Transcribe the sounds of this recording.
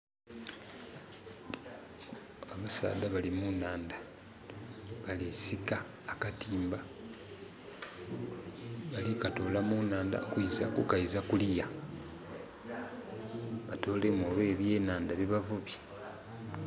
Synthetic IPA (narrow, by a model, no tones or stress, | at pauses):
aβasa̰ːdaβalimunaːnda | βalesikaː | katiːmba | βalikatoːlamunaːnda̰kuizakukaizakulija | βato̞ːle̞moβe̞βje̞ːnaːndaβiβavuβje